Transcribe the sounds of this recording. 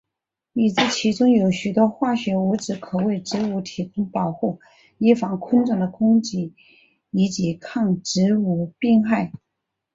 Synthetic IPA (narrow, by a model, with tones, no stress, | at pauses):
i˨˩t͡sɹ̩˥˩t͡ɕʰi˧˥ʈ͡ʂʊ˥ŋjo˧˩ʊɕy˨˩t̪wɔ˥xwa˥˩ɕɥɛ˧˥wu˧˥ʈ͡ʂɻ̩˧˥kʰɤ˨˩we˥˩ɪʈ͡ʂɻ̩˧˥u˧˥t̪ʰi˧˥kʰʊ˥ŋpɑ˨˩ʊxu˥˩ | i˥fɑ˧˥ŋkʰə˥nʈ͡ʂʊ˥˩ŋd̪ə˧˩kʰʊ˥ŋt͡ɕi˧˥ | i˧˥t͡ɕi˧˥kʰɑ˥˩ŋʈ͡ʂɻ̩˧˥u˧˩pi˥˧ŋxa˥˩ɪ